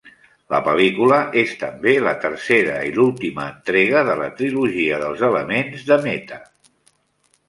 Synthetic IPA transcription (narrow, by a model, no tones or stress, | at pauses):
ləpəlikuləʔest̪əmbelət̪ərseɾəilulˠt̪iməːnt̪ɾeɣ̞əðələ̰t̪ɾiluʒiəðəlˠzələmenzðəmɛt̪ə